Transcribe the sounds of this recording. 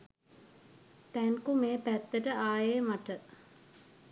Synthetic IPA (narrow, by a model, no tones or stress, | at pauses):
t̪æŋkumeːpæt̪ːəʈəaːjeːmaʈə